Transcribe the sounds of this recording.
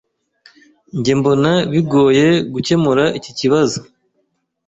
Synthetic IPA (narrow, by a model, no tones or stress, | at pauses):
ɲɟembo̞naβiɡo̞ːje̞ɡuce̞muɾaʔiciciβazo